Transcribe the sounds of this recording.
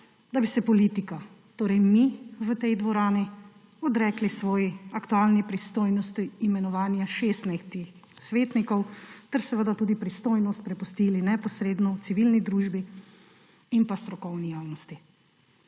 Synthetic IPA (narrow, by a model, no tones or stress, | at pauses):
d̪abisɛpɔliːt̪ika | t̪oːɾɛjmiʋət̪ɛjd̪ʋɔɾaːni | ɔd̪ɾɛːklisʋɔːjiakt̪ualnipɾist̪oːjnɔst̪iːmɛnɔʋaːnjaʃest̪najt̪ix | sʋeːt̪nikɔwt̪ɛɾsɛʋəd̪at̪uːd̪ipɾist̪oːjnɔst̪̚pɾɛpust̪iːlinɛpɔsɾeːd̪nɔwt̪siʋilnid̪ɾuːʒbi | inpast̪ɾɔkɔwnijawnɔst̪i